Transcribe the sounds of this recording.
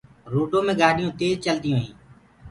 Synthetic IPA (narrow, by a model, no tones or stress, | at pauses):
ɾoːʈõːmẽːɡaːɗɪjõːt̪eːzt͡ʃəld̪ɪjõːɦĩː